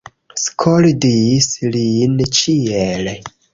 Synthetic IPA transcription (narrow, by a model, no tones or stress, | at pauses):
skʰoldislint͡ʃiel